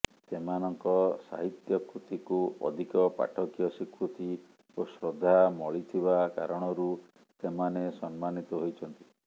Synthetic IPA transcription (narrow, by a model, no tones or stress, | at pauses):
semanɔŋkɔsa̰ɦit̪jɔkɾut̪ikuɔ̰d̪ʱikɔpa̰ʈʰɔkjɔsikɾut̪i | osɾod̪ʱamɔɭit̪ʰiβaka̰ɾɔɽ̃ɔɾu | semanesɔnmanit̪ɔɦojt͡ʃʰɔnt̪i̥